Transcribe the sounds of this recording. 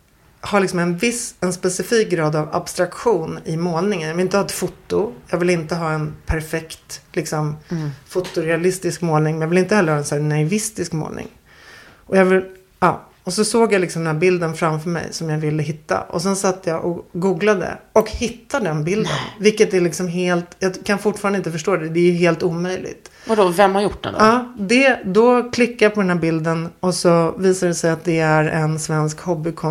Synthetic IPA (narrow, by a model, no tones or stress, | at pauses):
haɾlɪksɔmɛnvɪsɛnspɛsɪfiːk̚ɡɾɑːd̪ava̰bst̪ɾakɧuːnɪmoːlnɪŋənjɑvɪlɪnt̪əhɑːɛt̪fʊt̪ːʊjɑːɡvɪlɪnt̪əɦɑːɛnpʰæɾfɛkt̪lɪksɔmfʊt̪ːʊɾɛalɪst̪ɪskmoːlnɪŋmɛnjaːvɪlɪnt̪əhɛlːɾhɑːɛnsæːnaɪvɪst̪ɪskmo̰ːlnɪ̰ŋ | ʔɔjaːɡvɪl | ɑ̰ː | ɔsɔsoːɡjalɪksɔmd̪ɛnæːɾbɪld̪ənfɾamfœɾmɛ̰jsɔmjavɪlːəɦɪt̪ːa̰ʔɔ̰sɛnsat̪ːəjaʔɔɡuːɡlad̪ə̰ɔkhɪt̪ːad̪ɛnbɪld̪ə̰nvɪkːət̪ælɪksɔmɦeːlt̪jɑkʰanfʊʈːfɑːɾanɪnt̪əfœʂʈoːd̪ɛd̪ɛːjɵɦeːlt̪uːmœjlɪ̰ɡt̪vadɔvɛmhaɾjʊʈ̚ːdɛ̰d̪̰ɑːd̪ɛd̪ɔkʰlɪkːajapʰɔd̪ɛnɦæːɾbɪld̪ənɔsɔviːsad̪ɛsɛjat̪̚d̪ɛæɾɛnsvɛnskhɔbːɪkʰɔ